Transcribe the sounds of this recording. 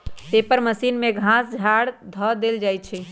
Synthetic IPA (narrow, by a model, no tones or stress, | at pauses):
t̪epəɾməsinmeɡʱãsd͡ʒʱaɽd̪ʱɔd̪eld͡ʒajt͡ʃʰɛ